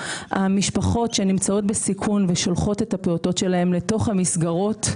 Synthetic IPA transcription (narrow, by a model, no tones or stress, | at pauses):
hamiʃpaχo̞tʃe̞nimt͡sao̞t̚besikʰunveʃo̞lχo̞te̞thapeoto̞tʃe̞lae̞mle̞to̞χhamisɡaʁo̞t